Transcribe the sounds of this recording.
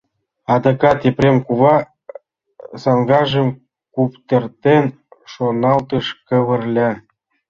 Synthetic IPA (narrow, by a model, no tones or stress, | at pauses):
ɑd̪ɤkɑt̪eprʲemkuβɑ | sɑŋɡɑʒɤ̆m | kupt̪ɤ̆rt̪en | ʃonɑlt̪ɤ̆ʃkɤ̆βɤ̆rlʲɑ